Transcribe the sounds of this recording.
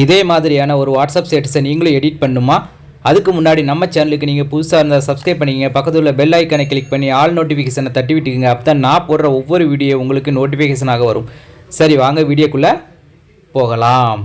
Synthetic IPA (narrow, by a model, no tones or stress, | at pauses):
ɪðeːmaːðɪɾɪjaːnɐɔɾɯʋaːʈsaːpseːʈ̬ːɪsɐniːŋɡɐɭɯ̃ɛɽɪʈ̚pɐɳːɯmaː | ɐðɯkːɯmʊnːaːɽinɐmːɐt͡ʃɐnɐlɯkːɯniːŋɡɐpʊðɯsaːɪɾɯnd̪asɐbskɾɐɪpːɐɳːɪkiːŋɡɐpɐkːɐt̪ːɯlɐbɛlːaːɪkːɐnɛkːɭɪk̚pɐɳːiaːɭnoːʈ̬ːɪfɪkɐːsɐnɐt̪ɐʈ̬ːɯʋɪʈːɯkːɯŋɡɐːpːɐt̪ãːnãːpoːɽɾɐɔʋːɔɾɯʋiːɽɪjɐʊŋɡɐɭɯkːɯnoːʈ̬ɪfɪkeːs̬ɐnaːɣɐʋɐɾɯmsɐɾiʋaːŋɡɐʋiːɽɪjɐkːɯɭːɐ | poːɣɐlaːm